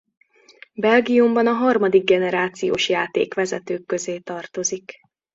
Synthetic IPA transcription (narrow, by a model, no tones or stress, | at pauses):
bɛlɡijumbɒnɒɦɒrmɒd̪iɡ̚ːɛnɛɾaːt̪sijo̰ːʃjaːt̪ḛːkʋɛzɛt̪øːkːø̞zeːt̪ɒrt̪o̞zik